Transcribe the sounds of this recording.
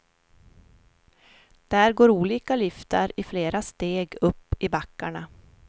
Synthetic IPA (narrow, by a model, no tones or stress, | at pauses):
d̪̥æːɾɡoːɾuːliːkalʏft̪a̰ɾɪfleːɾast̪eːɡɵpːɪbakːa̰ɳa